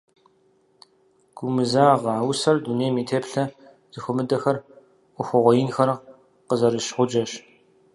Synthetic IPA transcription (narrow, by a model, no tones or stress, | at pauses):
ɡ̥ʷʊmɨzaːʁɑːwʊsɐrduneːmiːtʰeːpɬɐ | z̥ɨxʷʊmɨdɐxɐr | ʔʷʊxʷɔʁʷɔjɪnxɐr | qəzɐɾɨʃħʷʊd͡ʒʼɐʃ